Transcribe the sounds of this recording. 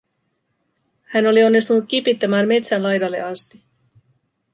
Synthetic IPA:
hæno̞lio̞nːist̪unut̪̚k̟ipit̪ːɑmæːnme̞t̪sænlɑjdɑlːe̞̰ʔɑst̪i̥

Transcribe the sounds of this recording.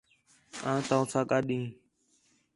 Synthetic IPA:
ãːt̪ãsʰaːkaːɗĩː

